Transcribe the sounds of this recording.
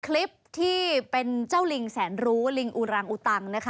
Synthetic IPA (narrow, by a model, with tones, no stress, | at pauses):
kʰli˦˥p̚t̪ʰiː˥˩pe˧nt͡ɕaː˥˩wli˧ŋsɛː˩˦nɾuː˦˥li˧ŋʔu˨˩ɾaː˧ŋʔu˨˩t̪a˧˩ŋna˦˥kʰ